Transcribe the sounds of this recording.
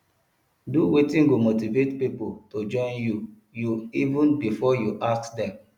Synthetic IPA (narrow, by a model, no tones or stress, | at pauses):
duwetĩnɡomotivetpipotod͡ʒɔ̃ɪ̃nju | juivũnbifɔjuʔaktdɛ